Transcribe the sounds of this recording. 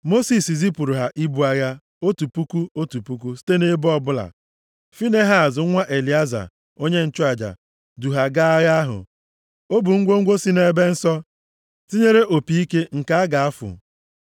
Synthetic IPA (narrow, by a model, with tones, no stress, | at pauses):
mo˦si˨si˨zi˦pu˨ɾu˨ɦa˨ʔi˦bu˨a˨ja˦ | o˦tu˨pu˦ku˦o˦tu˨pu˦k̬u˦si̥˦te˦ne˦bɔ˦bʊ˦la̰˨ | fi˦ne˦ɦa˨zʊ˨˦ŋʷa˦ʔe˨li˨a˦za̰˨ | o˦ɲe˦n̩˨t͡ʃʊ˦a˨d͡ʒa̰˨ | du˨ɦa˨ɡa˦a˦ɣa˦a˦ɦʊ̰˨ | o˦bu˨ŋ̩˦ɡʷo˦ŋ̩˦ɡʷo˦si˦ne˦be˦n̩˦sɔ˦ | si˦ɲe˦ɾe˦ʔo˨pi˨i˦ke˦ŋ̩˨ka˨a˦ɡa˨a˦fʊ̰˨